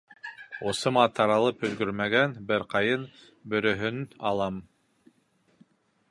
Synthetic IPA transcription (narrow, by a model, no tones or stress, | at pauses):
osɤ̆mɑt̪ʰɑɾɑlˠɤpɵ̆zɡɵɾmæɡænbɘɾqɑjɤn | bɵ̆ɾɵ̆ɦɵnɑlˠɑm